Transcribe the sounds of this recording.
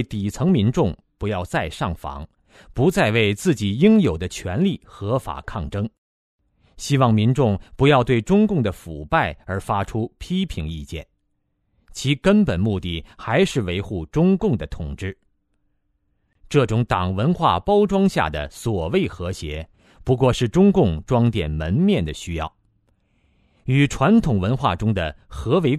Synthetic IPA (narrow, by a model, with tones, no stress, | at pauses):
e˥˩ɪt̪i˨˩t͡sʰɤ˧˥ŋmi˧˥nʈ͡ʂʊ˥˩ŋpu˧˥jɑ˥˧ʊt͡sa˥˧ɪʂɑ˥˩ŋfɑ̰˧˥ŋ | pu˧˥t͡sa˥˧ɪwe˥˧ɪt͡sɹ̩˥˩t͡ɕi˨˩ji˥ŋjo˨˩ʊd̪ə˦t͡ɕʰɥɛ˧˥nli˥˩xɤ˧˥fa̰˨˩kʰɑ˥˩ŋʈ͡ʂɤ˥ŋ | ɕi˥wɑ˥˩ŋmi˧˥nʈ͡ʂʊ˥˩ŋpu˧˥jɑ˥˧ʊt̪we˥˩ɪʈ͡ʂʊ˥ŋkʊ˥˩ŋd̪ə˩fu˨˩pa˥˩ɪə˞˧˥fa˥ʈ͡ʂʰu˥pʰi˥pʰi˧˥ŋḭ˥˧t͡ɕjɛ̰˥˩n | t͡ɕʰi˧˥kə˥npə˨˩nmu˥˧t̪i˥˩xa˧˥ɪʂɻ̩˥˩we˧˥ɪxu˥˩ʈ͡ʂʊ˥ŋkʊ˥˩ŋd̪ə˩t̪ʰʊ˨˩ŋʈ͡ʂɻ̩˥˩ | ʈ͡ʂɤ˥˩ʈ͡ʂʊ˧˥ŋt̪ɑ˨˩ŋwə˧˥nxwa̰˥˩pɑ˥ʊʈ͡ʂwɑ˥ŋɕja̰˥˩d̪ə̰˩swɔ˨˩we˥˩ɪxɤ˧˥ɕjɛ˧˥ | pu˧˥k̬wɔ˥˧ʂɻ̩˥˩ʈ͡ʂʊ˥ŋkʊ˥˩ŋʈ͡ʂwɑ˥ŋt̪jɛ˨˩nmə˧˥nmjɛ˥˩nd̪ə˩ɕy˥jɑ˥˩ʊ | y˨˩ʈ͡ʂʰwa˧˥nt̪ʰʊ˨˩ŋwə˧˥nxwa̰˥˩ʈ͡ʂʊ˥ŋd̪ə̰˨xɤ˧˥we˧˥ɪ